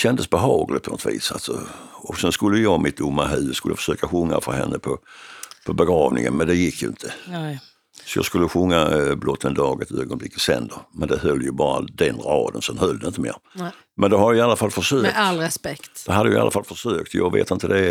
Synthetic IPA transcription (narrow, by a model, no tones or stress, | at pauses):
ɕɛnd̪əsbɛɦɑːɡlɪt̪pʰɔnɔ̰t̪vḭːsa̰lsɔ̰ɔsɛnskɵlːəjjɑmɪt̪̚d̪ʊmːaɦʉ̟ːskɵlːəjafə̥ʂøːkaɧɵŋːa̰fɔ̰nɦɛnːəpʰɔpʰɔbɛɡɾɑːvnɪ̰ŋə̰nmɛnd̪ɛjɪkʰːjɵ̰ɪnt̪ʰə | sɔjɑ̰ːskɵlːəɧɵŋːablɔt̪ʰːənd̪ɑːɡət̪øːɡɔnb̪lɪkːət̪sɛ̰nd̪əɾmɛnd̪ɛhœlːjəbɑːɾa̰d̪ɛnɾɑːd̪ənsɛnhœld̪əɪnt̪əmeːɾ | mʔɛnd̪ɛɦaɾjaɪalːafalfəʂøːklɾɛspɛkt̪d̪ɛɦad̪ːəjʊɪa̰lʔafalfəʂøːk̚t̪jɑːɡvḛːt̪ɪnt̪əd̪ɛ